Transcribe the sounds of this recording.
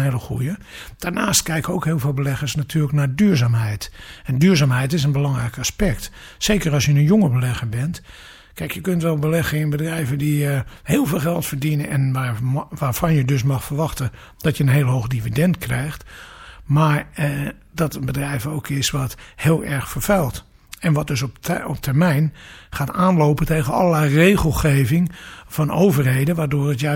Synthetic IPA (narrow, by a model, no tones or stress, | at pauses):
heləxṵjə | d̥aɹnaːst̚kɛjkowkheːlˠvɪːlˠbəlɛɣəsnatʰyːləknaːdyːɹzaːmɦɛjtɛndyːɹzaːmɦɛjtɪs̬ənbəlɑŋrɛjkaspɛk̚t | seːkərɑlˠsjənənjoŋəbəlɛxəɹbɛnt | kɛjkjəkøntʋɛlˠbəlɛxəɪnbədrɛjvədiəheːlˠveːlˠxɛlˠtfəɹdinəɛnʋaʋaːɹfɑnjədøs̬mɑxfərɹʋɑxtə | d̥ɔtjəənɦeːlˠɦoːxdividɛntkrɛjxtmaːɹ | dɔtəbədrɛjvəoːkʰɪsʋɔthɪːlˠʔɛɹxfəɹfɛlˠt | ɛnʋɔt̚døs̬ɔpɔp̚tʰəɹmɛjnχaːtaːnloːpənteːɣənɔ̰lˠəlɛjreːɣəlˠxeːvɪŋfɔnoːvərheːdənʋaːdoːrətja